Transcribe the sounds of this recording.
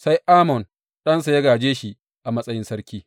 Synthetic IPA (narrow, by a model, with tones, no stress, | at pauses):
sa˦jʔaː˦mɔ˨n | ɗɐ˦nsa˨jɐ˦ɡaː˨d͡ʒeː˦ʃi˦ʔ | ʔa˨mɐ˦sʼɐ˦jɪ˦nsɐ˦ɾkʲiː˦